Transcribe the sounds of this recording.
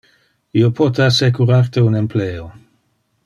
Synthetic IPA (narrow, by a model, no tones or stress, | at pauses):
iopʰɔt̪easekuɾart̪eunempleːo